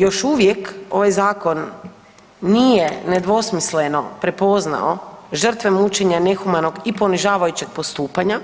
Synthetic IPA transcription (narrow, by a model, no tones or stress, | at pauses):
jo̞ʃuʋje̞ko̞ʋajzaːko̞nː | ije̞ne̞d̪ʋo̞smisle̞no̞pɾe̞po̞zna̰oʒr̩t̪ʋe̞mut͡ʃe̞ɲane̞xumano̞ɡipo̞niʒaːʋajut͡ɕe̞ɡ̥̚post̪uːpaɲa